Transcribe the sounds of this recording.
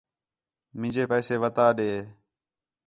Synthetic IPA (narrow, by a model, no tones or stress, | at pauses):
mɪ̃d͡ʒeːpɛːseːʋət̪aːɗeː